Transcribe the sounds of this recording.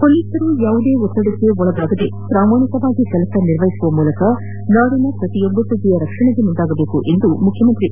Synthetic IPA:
poːliːsɐɾujaːʋud̪e̞ːɔt̪ːɐɽɐkːeɔɭɐd̪aːɡ̪ɐd̪epɾaːmaːɳikɐʋaːɡisɐlɐsɐniɾʋɐɦisuʋɐmuːlɐkɐ | naːɽinɐpɾɐt̪ijombɐt̪ːuɡijɐɾɐkʂɐɳeɡe̞muɳɖ̪aːɡɐbe̞ːkuʔe̞nd̪umukʰjɐmɐnt̪ɾi

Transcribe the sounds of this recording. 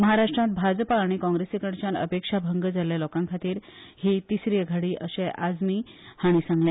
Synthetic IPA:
məɦaɾaʂʈɾãt̪̚bʱad͡zpaːɽ̃ikɔ̃ŋɡɾesekəɳt͡ɕãnə̰pekʂabʱəŋɡəd͡zʱaljalɔkãŋkʰat̪iːɾ | het̪isɾijəɡʱaɽiːʔəɕeʔad͡zmiː | haɽ̃iːsãŋɡlja

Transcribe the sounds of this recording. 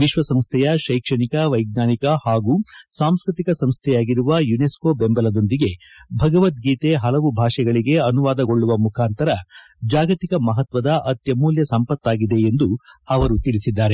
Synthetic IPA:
ʋiʃʋɐsɐmst̪ʰɛjɐʃɐjkʂɐɳikɐʋɐjɡ̚naːnikɐhaːɡuːsaːmskɾit̪ikɐsɐmst̪ʰɛjaːɡiɾuʋɐjunesko̞ːbembɐlɐd̪o̞nd̪iɡe̞ | bʱɐɡɐʋɐt̪̚ɡiːt̪eɦɐlɐʋubʱaːʂɛɡɐɭiɡe̞ɐnuʋaːd̪ɐɡo̞ɭːuʋɐmukʰaːnt̪ɐɾɐ | d͡ʒaːɡɐt̪ikɐmɐɦɐt̪ʋɐd̪ɐʔɐt̪jɐmuːljɐsɐmpɐt̪ːaːɡid̪e̞ːnd̪uɐʋɐɾut̪iɭisid̪ːaːɾe

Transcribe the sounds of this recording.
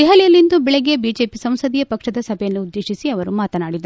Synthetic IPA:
ɛɦɐlijɐlːind̪ubɛɭɛɡebiːd͡ʒe̞ːpisɐm̃sɐd̪ijɐpɐkʂɐd̪ɐsɐbʱejɐnːuːd̪ːe̞ːʃisiɐʋɐɾumaːt̪ɐnaːɽid̪ɐɾ

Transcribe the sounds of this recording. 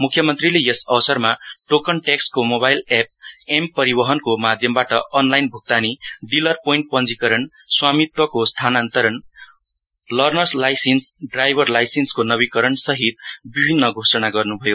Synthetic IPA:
mukʰːjʌmʌnt̪rilejesʌwsʌrmaʈokʌnʈekskomobajlap̚empʌɾibʌɦʌnkomad̪ʱjʌmbaʈʌʔʌnlajnbʱuk̚t̪aniɖilʌrpoiɳʈ̚pʌnd͡zikʌɾʌn | swamit̪wʌkost̪ʰanant̪ʌɾʌn | lʌrnʌslajsensɖrajbʱʌrlajsenskonʌbikʌɾʌɳsʌɦit̪̚bibʱinːʌɡʱosʌnaɡʌrnubʱʌjo

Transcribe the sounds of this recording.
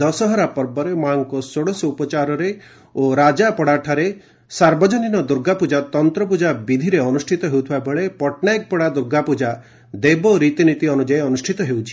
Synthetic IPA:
d̪ɔsɔɦɔɾapɔɾbɔɾemaŋkɔsoɽɔsɔupɔt͡ʃaɾɔɾe | oɾad͡ʒapɔɽaʈʰaɾe | saɾbɔd͡ʒɔninɔd̪uɾɡapud͡ʒat̪ɔnt̪ɾɔpud͡ʒabid̪ʱiɾeɔnusʈʰit̪ɔɦewt̪ʰibabeɭepɔʈnajk̚pɔɽad̪uɾɡapud͡ʒa | d̪ebɔɾit̪init̪iɔnud͡ʒajeɔnusʈʰit̪ɔɦewt͡ʃʰi̥

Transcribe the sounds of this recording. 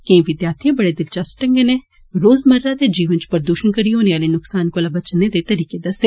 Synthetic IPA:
kɐĩʋɪd̪jaːɾt̪ʰiẽbɐɽed̪ɪlt͡ʃɐpsʈɐ̃ŋɡɐnẽː | ɾoːzmɐɾːat̪ed͡ʒiːʋə̃nt͡ʃpɐɾd̪uːʃənkɐɾiɦoːneʋaːlenʊksaːnkolabɐt͡ʃned̪et̪ɐɾiːked̪ɐst̪e

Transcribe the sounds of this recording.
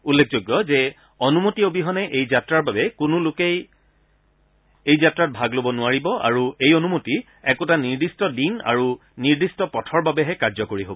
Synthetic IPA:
ulːekʰzoɡjɔzɛ | ɔnumotiobiɦɔnɛʔejzatɹaɹbabɛkʊnʊlʊkej | ejzatɹat̚bʱaɡlobɔnʊaɹibɔʔa̰ɹuejonumoti | ɛkʊtaniɹdistɔdina̰ɹu | niɹdistɔpɔtʰɔɹbabɛɦɛkaɹzɔkoɹiɦobɔ

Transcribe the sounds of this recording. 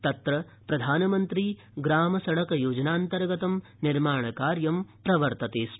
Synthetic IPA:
t̪ɐt̪ɾɐ | pɾɐd̪ʱaːnɐmɐnt̪ɾiː | ɡɾaːmɐsɐɽɐkɐjuːd͡ʒɐnaːnt̪ɐɾɡɐt̪ɐm | niɾmaːɳ̃ɐkaːɾjɐmpɾɐʋɐɾt̪ɐt̪eːs

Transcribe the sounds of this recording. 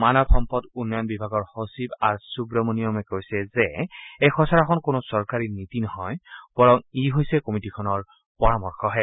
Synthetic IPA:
manɔbxɔmpɔdunːjɔnbibʱaɡɔɹhosibaɹsubɹɔmonijɔmɛkojsɛzɛejxɔsaɹakʰɔnkonʊsɔɹkaɹinit̪inɔɦɔjb̥ɔɹɔŋiɦojsɛkomitikʰɔnɔɹ | pɔɹamɔɹxʰɔɦɛ

